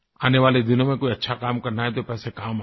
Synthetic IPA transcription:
aːneʋaːled̪ɪnõmẽkoːiɐtːʃʰakaːmkɐɾnaɦɛt̪̬opɛːsekaːm

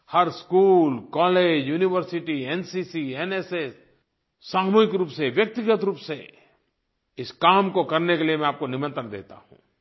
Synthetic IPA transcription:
hɐɾskuːlkɔːleːd͡ʒjuːnɪʋəɾsɪʈiɛːnsisiɛːnesesː | aːmuːɪkɾuːpseʋjək̚t̪ɪɡət̪ɾuːpse | ɪskaːmkokɐɾnekeliemɛ̃aːp̚konɪmə̃nt̪əɾd̪ḛːt̪a̰ɦṵ̃ː

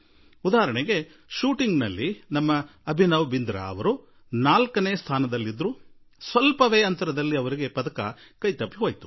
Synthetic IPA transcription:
ud̪aːɐɾɐɳɛɡe̞ | ʃuːʈiŋɡnɐlːinɐmːɐːbʱinɐʋbind̪ɾɐ̰ɐ̰ʋɐɾu | naːlkɐneːst̪ʰaːnɐd̪ɐlːid̪ɾu | sʋɐlpɐʋeːɐnt̪ɐɾɐd̪ɐlːiɐʋɐɾiɡe̞pɐd̪ɐkɐ̰ | kɐjt̪ɐpːiɦoːjt̪u̥

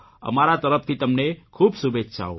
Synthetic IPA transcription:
ə̰maɾat̪əɾəp̚t̪ʰit̪əmnekʰuːbsubetːʃʰa̰o̰

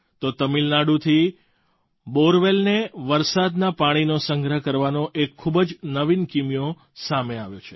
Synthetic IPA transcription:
t̪ot̪əmilnaɽut̪ʰi | boɾʋelneʋəɾsad̪napaɽ̃inosəŋɡɾəɦkəɾʋanõʔekʰːubd͡ʒnəʋinkimijõ | sameaʋjot͡ʃʰe̥

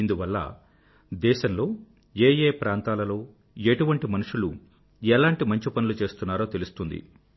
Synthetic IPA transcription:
ind̪uʋɐlːɐ̰ | d̪ɛːʃɐnlo̞ː | eːjeːpɾaːnt̪aːlɐlo̞ː | e̞ʈuʋɐɳʈimɐnuʂulu | ɛlaːɳʈimɐɲt͡ʃipɐnulut͡ʃe̞ːst̪unːaːɾoːt̪e̞lust̪und̪ḭ

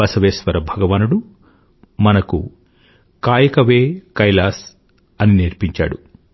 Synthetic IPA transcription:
ɐsɐʋeːsʋɐɾɐbʱɐɡɐʋaːnuɽu | mɐnɐkṵ | kaːjɐkɐʋeːkɐjlaːs | ɐniniɾpiɲt͡ʃa̰ːɽu

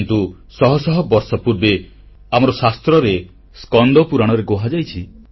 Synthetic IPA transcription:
nt̪u | sɔɦɔsɔɦɔbɔɾsɔpuɾbe | amɔɾɔsast̪ɾɔɾe | skɔnd̪ʱɔpuɾaɽ̃ɔɾeɡoɦad͡ʒajt͡ʃʰi

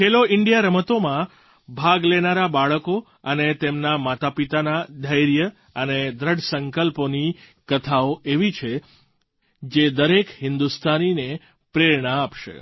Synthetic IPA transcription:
kʰeloɪɳɖijaɾəmət̪omã | bʱaɡlenaɾabaɭəko | ənet̪emnamat̪apit̪anad̪ʱəjɾjə | əned̪ɾəɽsəŋkəlponi | kət̪ʰaoʔeʋit͡ʃʰe | d͡ʒed̪əɾekɦɪnd̪ust̪ʰanine | pɾeɾɳəapʃḛ

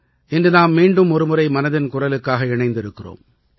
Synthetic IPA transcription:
ʔɪndrɯnaːmːiːɳɖɯmɔɾɯmʊrɐɪmɐnɐðɪnkʊrɐlɯkːaːɣɐɪɳɐɪnd̪ɪɾɯkːɪro̰ːm

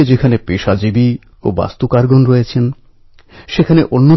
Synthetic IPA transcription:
ed͡ʑekʰanepeʃad͡ʑibi | o̰ba̰st̪ukaɾɡonɾɔjet͡ɕʰen | ʃekʰaneʔonːo

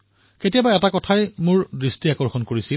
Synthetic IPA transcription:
ketijabaɛtakɔtʰajmʊɹdɹistiakɔɹxɔnkoɹisi

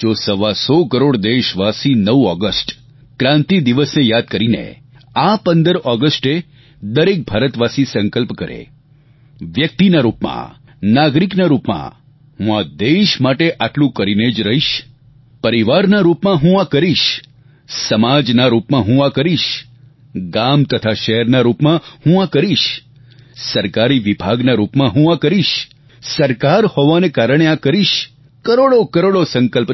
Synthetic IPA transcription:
d͡ʒosəʋasɔkəɾoɽd̪eʃʋasinəʋuɔɡəsʈ | kɾãnt̪id̪iʋəsnejad̪̚kəɾinḛ | apənd̪əɾɔɡəsʈe | d̪əɾek̚bʱaɾət̪ʋasisə̃ŋkəlpkəɾḛ | ʋjək̚t̪inaɾupmã̰ | naɡɾiknaɾupmã̰ | ɦũad̪eʃmaʈeʔaʈlũkəɾined͡ʒɾəɦiʃ | pəɾiʋaɾnaɾupmãɦũakəɾiʃ | səmad͡ʒnaɾupmãɦũakəɾiʃ | ɡamt̪ət̪ʰaʃɛɦɛɾnaɾupmãhũakəɾiʃ | səɾkaɾiʋibʱaɡnaɾupmãɦũakəɾiʃ | səɾkaɾhoʋanekaɾəɽ̃eakəɾiʃ | kəɾoɽokəɾoɽosəŋkəlp

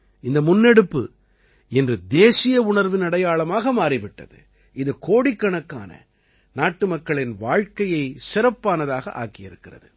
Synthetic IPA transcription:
ɪnd̪ɐmʊnːɛɽɯpːɯ̰ | ɛndrɯd̪eːsɪjɐʊɳɐɾʋɪnɐɽɐjaːɭɐmaːɣɐmaːɾɪʋɪʈːɐ̰ðɯ̰ | ʔɪðɯkoːɽɪkːɐɳɐkːa̰ːnɐ̰ | naːʈːɯmɐkːɐɭɪnʋaːɻkɐjɐɪsɪɾɐpːaːnɐðaːɣɐ̰ʔa̰ːkɪjɪɾɯkːɪrɐ̰ðɯ

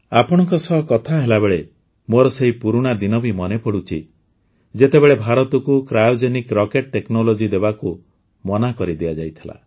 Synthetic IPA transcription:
apɔɽ̃ɔŋkɔsɔɦɔkɔt̪ʰaɦelabeɭe | moɾɔseɦipuɾuɽ̃ad̪inɔbʱimɔnepɔɽut͡ʃʰḭ | d͡ʒet̪ebeɭebʱaɾɔt̪ɔkukɾajud͡ʒenikɾɔkeʈ̚ʈeknɔlod͡ʒid̪ebaku | mɔnakɔɾid̪iad͡ʒajt̪ʰila̰

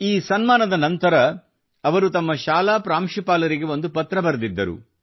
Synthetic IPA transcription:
iːsɐnmaːnɐd̪ɐnɐnt̪ɐɾɐ | ɐʋɐɾut̪ɐmːɐʃaːlaːpɾaːmʃipaːlɐɾiɡe̞o̞nd̪upɐt̪ɾɐbɐɾɐd̪id̪ːɐɾṵ

